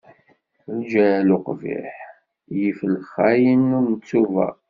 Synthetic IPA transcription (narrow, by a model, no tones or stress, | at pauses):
ld͡ʒælʊqvɪ̰ħ | jifəlχæjənːʊɾnət͡sːuvæ̰